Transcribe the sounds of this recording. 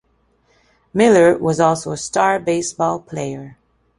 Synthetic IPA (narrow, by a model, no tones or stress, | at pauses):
mɪlˠə˞wʌzɔlˠsoʊəstɑɹbeɪsb̥ɔlˠpʰl̥eɪə˞